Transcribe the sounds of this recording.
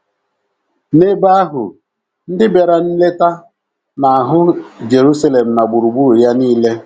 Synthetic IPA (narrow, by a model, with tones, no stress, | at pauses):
ne˦ba˦ɦʊ̰˨ | n̩˦dɪ˦be˨ɾa˨n̩˦le˦ta˦ | na˨a˨ɦʊ˦d͡ʒe˨ɾu˦sa˦le˨m̩˨na˨ɡ͡bu˨ɾu˨ɡ͡bu˦˨ja˦niː˦le˦